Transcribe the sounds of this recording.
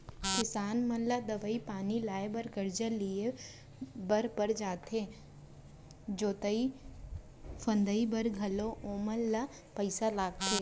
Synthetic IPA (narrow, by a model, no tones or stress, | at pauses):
kɪsaːnmɐnlad̪ɐʋəipaːnilaːebəɾkəɾd͡ʒəlie | bɐɾpəɾd͡ʒaːt̪eː | d͡ʒoːt̪əi | fə̃nd̪əibəɾɡʱɐloʔoːməlːa | pəɪsalaːɡt̪ʰeː